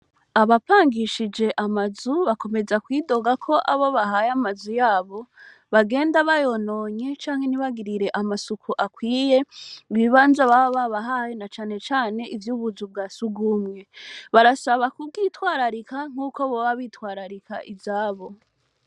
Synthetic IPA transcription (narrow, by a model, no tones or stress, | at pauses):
aβapaːŋɡiʃid͡ʒe̞ʔamazuβako̞me̞zakwiːdo̞ɡakʰo̞ʔaβo̞βaɦajamazujaːβo̞ | βaɡe̞ːndaβajo̞no̞ɲe̞t͡ʃaːŋhe̞niβaɡiɾiɾe̞ʔamasukʰuʔakwiːje̞βwiβaːnzaβaoβaβaɦajenat͡ʃaːne̞t͡ʃaːne̞ʔivjuːβuzubɡaːsuɡumŋe̞βaɾasaβakub̚ɡiːtwaːɾaɾikaŋ̥huːkoβoβaβiːtwaːɾaɾikʰa̰ʔivzaːβo̞